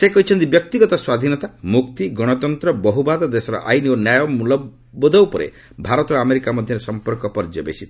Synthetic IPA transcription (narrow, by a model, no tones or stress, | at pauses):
sekɔɦit͡ʃʰɔnt̪ibjɔk̚t̪iɡɔt̪ɔswad̪ʱinɔt̪amukt̪iɡɔɽ̃ɔt̪ɔnt̪ɾɔbɔɦubad̪ɔd̪esɔɾɔ̰ʔa̰jnionjajɔmulɔ | bɔd̪ɔwpɔɾḛ | bʱaɾɔt̪ɔameɾikamɔd̪ʱjɔɾesɔmpɔɾkɔpɔɾd͡ʒɔbḛsit̪